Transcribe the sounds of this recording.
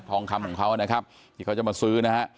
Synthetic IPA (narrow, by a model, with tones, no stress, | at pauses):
t̪ʰɔː˧ŋkʰa˧mkʰɔː˩˦kʰa˦˥wa˨na˦˥kʰa˦˥p̚ | t̪ʰiː˧˩a˦˥wt͡ɕa˨˩ma˧sɯː˦˥na˦˥ɦa˦˥ʔ